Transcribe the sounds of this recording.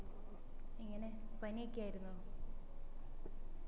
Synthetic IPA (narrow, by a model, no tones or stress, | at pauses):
iŋːɐne̞pɐniekʲːiaːjiɾunːuo